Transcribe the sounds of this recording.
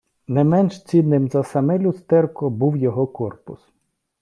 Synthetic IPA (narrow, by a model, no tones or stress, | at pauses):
nɛmɛnʃt͡sʲid̪nːɪmzɐsɐmɛlʲʊst̪ɛrkɔbuwjɔɦɔkɔrpʊs